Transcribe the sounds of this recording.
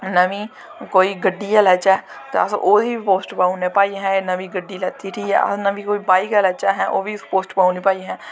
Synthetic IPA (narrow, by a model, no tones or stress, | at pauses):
nəʋĩː | koːiːɡəɖːiːɛlɛːt͡ʃɛː | t̪ḛə̰soːdiːpoːsʈbaːũneːpaːiɦɛ̃ːnəʋĩːɡəɖːiːlɛːt̪iːʈʰiːɛ̰ːə̰snəʋĩːkoːiːbaːikɛːlɛːt͡ʃaːɦɛːʔoːʋiːspoːsʈpaːuniːpaːiɦɛ̃ː